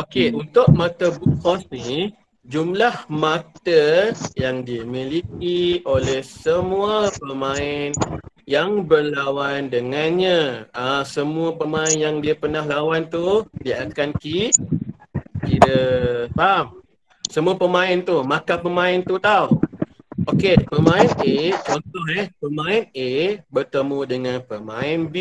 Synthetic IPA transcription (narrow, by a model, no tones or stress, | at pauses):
okeunt̪ʊʔ̚mat̪əbukkɔsni | d͡ʒumlahmat̪əjaŋdimilik̚iolɛhsəmũəpəmãɪn | jaŋbərlawandəŋanɲãasəmũəpəmãɪnjaŋdiapənahlawant̪udiaʔakanki | kiɾəpam | səmuapəmãɪnt̪umakapəmãɪnt̪ut̪aw | ʔokepəmãɪnʔesot̪ɔɛhpəmãɪnebərt̪əmũdəŋãnpəmãɪnbi